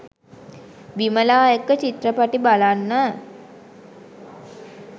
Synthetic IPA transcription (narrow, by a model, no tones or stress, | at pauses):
biməlaːjəkət͡ʃit̪rəpaʈibalanːə